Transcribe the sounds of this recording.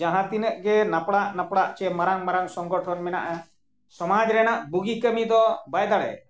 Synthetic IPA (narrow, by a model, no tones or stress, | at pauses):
d͡ʒãɦãt̪inəʔɡɛnapɽaʔnapɽaʔt͡ʃɛmaɾaŋmaɾaŋsɔŋɡɔʈʰɔnmɛna̰ʔa | sɔmad͡ʒɾɛnaʔbuɡikəmid̪ɔbajd̪aɽɛ̰